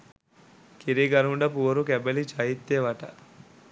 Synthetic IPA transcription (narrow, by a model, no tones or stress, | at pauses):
kiɾiɡɐɾuɳɖɐpuʋɐɾukɛbelit͡ʃɐjit̪ːeʋɐʈɐ